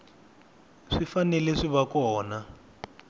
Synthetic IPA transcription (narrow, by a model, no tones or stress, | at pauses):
ʂifanɛlɛʂiβakɔːna